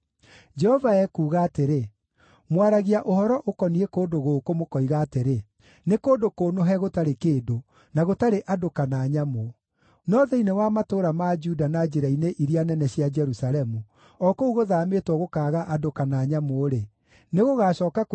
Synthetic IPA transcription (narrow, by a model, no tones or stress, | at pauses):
d͡ʒɛhɔvaɛkuːɣaːteɾe | mwaɾaɣiaʔohɔɾɔʔokɔniɛkoːdoɣokomokɔiɣaːteɾe | nekoːndokoːnoɦɛɣotaɾekeːdo | naɣotaɾeʔadokanaːɲamo | nɔðɛinewamatoɾamad͡ʒudanad͡ʒeɾaineʔiɾianɛnɛɕiad͡ʒɛɾusaɾɛmu | ɔkouɣoðaːmetwɔɣokaːɣaʔadokanaːɲamoɾe | neɣoɣaːɕɔːkak